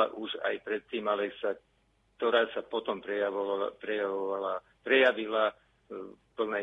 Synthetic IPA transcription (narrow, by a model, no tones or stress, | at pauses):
a̰ʔuʒa̰jpɾɛt̪ːiːmalɛsa | kt̪ɔɾaːsapɔt̪ɔmpɾɛapɾɛjaʋɔʋala | pɾɛjaʋila | pl̩nɛ